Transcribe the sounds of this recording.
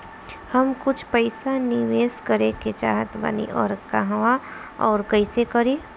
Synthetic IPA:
həmkʊt͡ʃʰpəɪsaniʋeːskəɾeket͡ʃa̰ːɦət̪bə̰nḭʔɔːɾkaɦʋa | ɔːɾkəɪsekəɾiː

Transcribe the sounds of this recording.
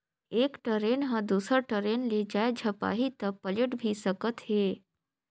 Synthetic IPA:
ekʈəɾenɦãd̪usəɾʈəɾenled͡ʒaed͡ʒʱəpa̰ɦit̪əpələʈbʱisəkət̪ɦe

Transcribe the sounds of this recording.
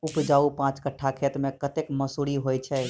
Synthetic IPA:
upd͡ʒaupãt͡ʃkəʈʰːakʰet̪mẽkət̪ekməsuɽiɦojt͡ʃʰɛ

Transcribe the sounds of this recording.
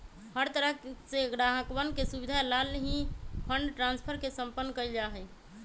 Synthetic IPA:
həɾt̪əɾəseɡɾaɦəkwənkesubid̪ʱalalɦĩpʰəɳɖʈɾãnspʰəɾkesə̃mpənːkəid͡ʒaɦɛj

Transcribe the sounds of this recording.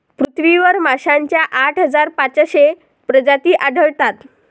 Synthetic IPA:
pɾut̪ʰʋiʋəɾmaɕaɲt͡ɕjaʔaʈʰɦəd͡zaɾpat͡səɕe | pɾəd͡ʑat̪iːʔaɖʱəɭt̪at̪

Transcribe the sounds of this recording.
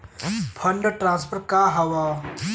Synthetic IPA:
pʰəɳɖʈɾãnspʰəɾ̚kaɦɐwa

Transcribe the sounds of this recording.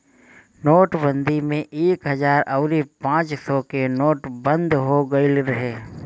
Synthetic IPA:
noːʈbə̃nd̪ʱimẽʔeːkɦəzaːɾɐʊɾipãːt͡ʃsɔkenoːʈbə̃nd̪ɦoɡəilɾɐɦeː

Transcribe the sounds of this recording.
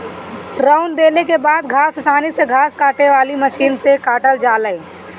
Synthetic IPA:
ɾaʊnd̪eːlekebaːd̪ɡʱaːssaːniseɡʱaːskaːʈeʋaːliməʃiːnsekaːʈəld͡ʒaːləi

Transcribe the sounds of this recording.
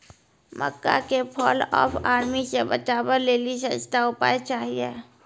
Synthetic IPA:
mʔə̰kːa̰kepʰɔːlɔ̰ːpʰaːɾmisebət͡ʃaːbəɾleːliʃəst̪aʊpa̰ːet͡ʃaːɦiḛː

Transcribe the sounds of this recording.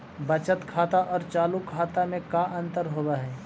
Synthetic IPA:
bɐt͡ʃət̪kʰaːt̪aʔɔːɾt͡ʃaːlukʰaːt̪amẽkaʔə̃nt̪əɾɦoːbaɦɛː

